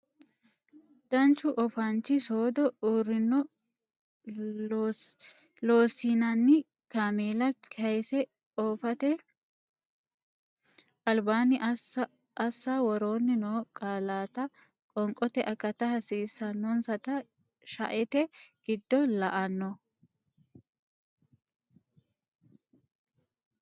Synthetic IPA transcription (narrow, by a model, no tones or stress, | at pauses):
d̪̥ɐnt͡ʃːʊʔɔfɐnt͡ʃːɪsoːd̪ɔuːɾɪnːɔ | lo̞ːsːinɐnːɪ | kameːlɐkʰɐjsɛ | oːfɐt̪ɛ | ʔɐlbaːnɪʔ | ɐsːawɔɾoːnːɪnoːkʼaːlaːt̪ɐ | kʼɔŋkʼɔt̪ɛʔɐkːɐt̪ɐhɐsiːsːɐnːɔnsɐt̪ɐ | ʃɐʔɛt̪ɛɡ̥ɪd̪ːɔlɐʔɐnːɔ